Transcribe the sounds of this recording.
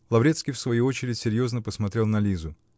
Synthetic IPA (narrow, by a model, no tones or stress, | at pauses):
lˠɐvɾʲet̪skʲijfsvɐjuo̞t͡ɕɪɾʲɪtʲsʲɪɾʲjo̞znəpəsmɐt̪ɾʲe̞lˠnɐlʲizʊ